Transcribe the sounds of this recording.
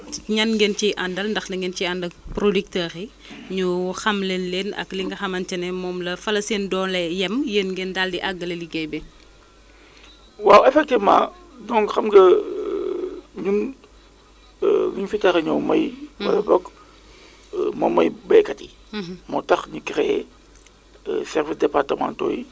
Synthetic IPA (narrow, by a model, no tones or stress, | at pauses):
ɲɐnɡɛnt͡ʃiʔɐndɐlndɐxdɐŋɡɛnt͡ʃiɐndɐpɾodik̚tɐxi | ɲuxɐmlenleːnɐ̰kliŋɡɐxɐmɐntɛnɛmɔːmlɐfɐlɐseːndɔːnlɛjɛmjenɡɛndaldiʔɐɡːɐlɐliɡɛjbɛ | waːwɛfɛk̚tima̰ | dɔŋxɐmɡɐ | ɲun | ɡɲufitaɾɐɲɐwmɐjwɐ̰lɐbɔk | mɔmːɐjbɛjkɐti | mɔtɐxɲukiɾɛ | sɛɾvisdɛpartəma̰ːnto̰ːji